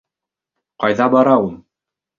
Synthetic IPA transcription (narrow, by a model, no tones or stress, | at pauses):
qɑjðɑbɑɾɑulˠ